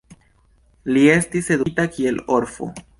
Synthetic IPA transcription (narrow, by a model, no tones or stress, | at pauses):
lie̞stise̞d̪utakie̞lo̞ɾfo̞̰